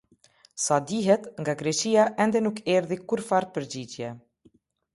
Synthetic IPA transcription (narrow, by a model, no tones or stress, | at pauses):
sad̪iɦɛt̪ŋɡaɡɾɛʃiaʔɛnd̪ɛnukʰɛɾðikuɾfaɾt̪̚pəɾd͡ʑid͡ʑjɛ